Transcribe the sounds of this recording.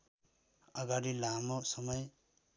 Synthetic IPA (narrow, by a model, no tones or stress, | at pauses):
ʌɡaɾilamosʌmʌj